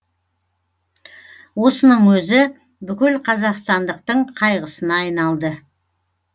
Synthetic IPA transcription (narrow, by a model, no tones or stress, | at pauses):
wo̞sənəɴwɵzɪ | bʏkʲɪlqʰɑzɑqst̪ɑnd̪əq̚t̪əɴqʰɑjʁəsənɑːjnɑlˠd̪ə